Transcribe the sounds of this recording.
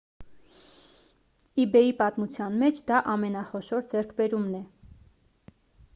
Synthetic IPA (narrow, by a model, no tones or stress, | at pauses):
ibɛipɑt̪mut͡sʰjɑnmɛt͡ʃʰd̪ɑʔɑmɛnɑχɔʃɔɾd͡zɛɾkʰbɛɾumnɛ